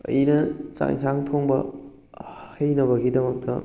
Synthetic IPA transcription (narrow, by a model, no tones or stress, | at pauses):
ɐ̰jinɐt͡ʃa̰ŋt͡ʃaŋtʰoŋbɐ̰ | hɐjnɐβɐɡidɐmɐk̚tʰɐ̰